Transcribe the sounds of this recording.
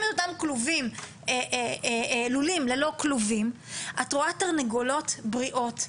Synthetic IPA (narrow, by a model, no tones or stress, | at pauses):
metotamkluvim | eʔelulimlelo̞kluvim | ʔatʁoataʁneɡolo̞tbʁiʔo̞t